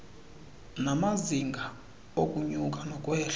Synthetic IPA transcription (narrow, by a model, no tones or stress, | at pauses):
namaziŋɡʱa | okʼuɲukʼanɔkʼwɛːɬa